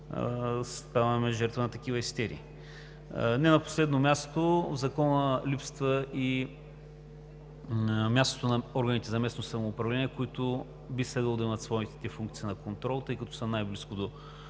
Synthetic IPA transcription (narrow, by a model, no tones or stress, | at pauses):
st̪avɐmɛʒɛɾt̪vənɐt̪ɐk̟ivəɛst̪ɛɾḭː | nɛnɐpo̥slɛd̪nomʲast̪ovzɐkɔnəlipst̪vəʔi | mʲjast̪o̥t̪onɐɔɾɡənit̪ɛzɐmɛsnosɐmoːpɾɐvlɛniɛkoit̪ʊ | bislɛd̪vəlˠod̪ɐɛmət̪svɔit̪ɛ̥t̪ɛfuŋkt̪sinɐkont̪ɾɔlˠt̪əikɐt̪ɔ̥sənajbliskod̪o